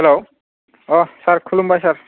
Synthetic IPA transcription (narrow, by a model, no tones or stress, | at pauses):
hɛlo | ɔsaɹkʰulumbʱajsaɹ